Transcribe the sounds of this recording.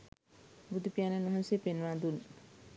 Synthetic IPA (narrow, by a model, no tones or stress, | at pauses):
bud̪upijanənʋɐɦansepenʋad̪un